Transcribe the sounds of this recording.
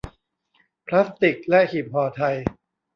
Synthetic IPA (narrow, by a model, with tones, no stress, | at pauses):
pʰla˦˥st̪i˨˩k̚lɛ˦˥ki˨˩p̚hɔː˧t̪ʰa˧j